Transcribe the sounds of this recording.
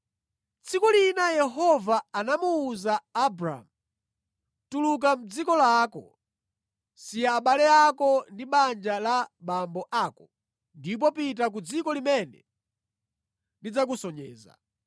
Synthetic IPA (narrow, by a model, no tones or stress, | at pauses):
t͡sʰikulinajɛɦɔvaːnamuːzaːbɾa̰mu | tuluk̬am̩d͡zikɔlaːkɔ̰ | sijaːɓalɛakɔndiɓand͡ʒalaɓambɔʔaːkɔ | ndip̬ɔpit̬ak̬ud͡zikɔlimɛnɛ̰ | ndid͡zak̬usɔɲɛ̰ːza̰